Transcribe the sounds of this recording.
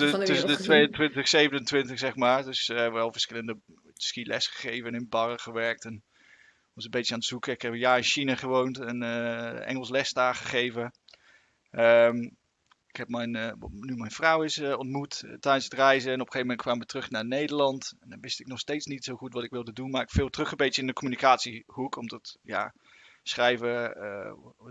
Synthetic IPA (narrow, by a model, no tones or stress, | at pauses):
tɵsəndətʋejəntʋɪntəχsejvənəntʋɪntəχsɛχmaːɹdɵsəʋɛlˠvəɹsχɪləndə | tskilʔɛ̰sχə̥χejvənɪnbɑrəχəʋɛɹk̚tɛn | ʋɑsənbejtəaːnətsukəɪkɦɛpjaːɹɪnʃinaχəʋowntənəɛ̰ŋəlˠslɛstaːχəχejvə | əm | ɪkɦɛpmɛjn̰nymɛjnfrɑwɪsəɔntmuttɛjdənsətrɛjzəɛnɔpə̥χejvəmɛnt̚kʋaːmʋətrɵχnaːɹnejdəɹlɑntɛndɔnʋɪstɪk̚nɔχstejtsnitsowχutʋɑtɪkʋɪlˠdədunmaːɹɪkfɪːlˠtrɵχəbejtəɪndəkɔmynikaːtsihukɔmtətja̰ | sχrɛjvə̰